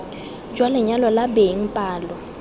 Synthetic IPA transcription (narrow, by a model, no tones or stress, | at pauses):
d͡ʒ̥ʱwalɛɲalɔlabeŋ̩pʼaːlɔ